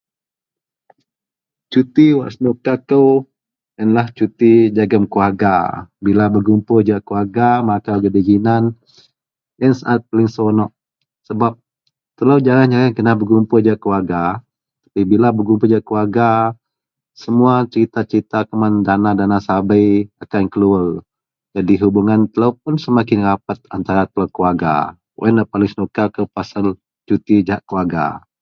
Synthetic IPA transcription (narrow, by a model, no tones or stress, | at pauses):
t͡ʃut̪iwa̰ʔsnukakəw | jənlaht͡ʃut̪id͡ʒaɡəmkuarɡabilabəɡumpʊd͡ʒaʔkuarɡamakaɡədid͡ʒinan | jənsaʔat̪̚pəlɪŋsonɔʔ | səbap̚ | t̪əlawd͡ʒaɾand͡ʒaɣankənahbərɡumpʊd͡ʒaʔkuaɡa | t̪ḁpibilabəɡumpʊd͡ʒaʔkəaɡa | səmuat͡ʃəɾit̪at͡ʃəɾit̪akəmandanadanasabəjakankəluar | d͡ʒadiɦubuŋant̪əlawp̚ʊnsəmakɪnrapat̪̚ant̪aɾat̪əlawkəwaɡa̰ | wʔɛ̰nləpalɪŋsnukakəpasəl | t͡ʃut̪id͡ʒaʔkuaɡa̰